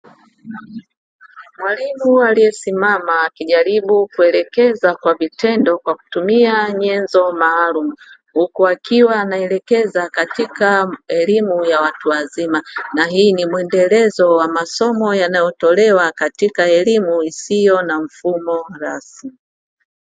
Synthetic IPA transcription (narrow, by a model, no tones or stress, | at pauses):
mwalimualijɛsimamaːkiʄaɾiɓukuɛlɛkɛzakwavitʰɛndɔkwaku̥tumiaɲɛnzɔmaːlumu | hukuakiwaːnaɛlɛkɛzakatikaɛlimujawatuwazimanaɦiːnimuɛndɛlɛzɔwamasɔmɔjanajɔtɔlɛwakatikaɛlimuisijɔnaɱ̩fumɔɾasi